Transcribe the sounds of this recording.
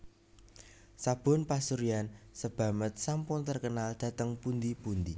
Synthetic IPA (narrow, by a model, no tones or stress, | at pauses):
sab̥ʊ̤npasuɾiansəb̥ä̤mət̪̚sampʊnt̪ərkənald̪̥ä̤t̪əŋpund̪ipund̪i